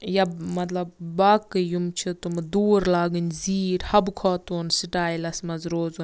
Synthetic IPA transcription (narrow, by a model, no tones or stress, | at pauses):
jɐmɐt̪lɐbbaːkɨjumt͡ʃʰut̪umd̪uːɾlaːɡɨnʲziːʈhɐbkʰoːt̪uːnsiʈaːjlɐsmɐzɾoːzun